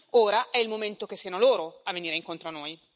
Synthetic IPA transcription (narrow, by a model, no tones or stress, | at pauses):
oːɾaʔɛilmoment̪okesːianoloːɾoavːeniːɾeiŋkont̪ɾoanoːj